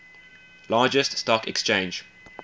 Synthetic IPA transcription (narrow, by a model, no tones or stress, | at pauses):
lɑːd͡ʒəststɔkɛ̰kst͡ʃẽɪ̃nd͡ʒ